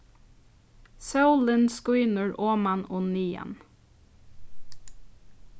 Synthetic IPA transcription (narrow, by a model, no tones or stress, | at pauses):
sɑʉlɪnskʊʏnəɹʔoːmɑnʊːniːə̰n